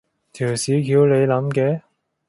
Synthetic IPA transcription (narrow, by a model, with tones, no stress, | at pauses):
t̪ʰiː˨˩wsiː˨˥kiː˨˧wle˨˧jlɐ˨˥mkɛː˨˧˥